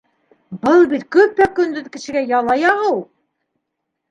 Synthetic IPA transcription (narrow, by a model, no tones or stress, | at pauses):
bɤlˠbit̪kɵp̚t̪ækɵ̆nd̪ɵðkɘ̆ʃɘ̆ɡæjɑlˠɑjɑʁɤw